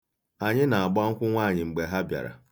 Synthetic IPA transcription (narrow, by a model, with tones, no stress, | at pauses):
a˨ɲɪ˦na˨a˨ɡ͡ba˦ŋ̩˦kʷʊ˦ŋʷaː˦˨ɲɪ˨ŋ͡m̩˨ɡ͡be˨ɦa˦bja̰˨ɾa̰˨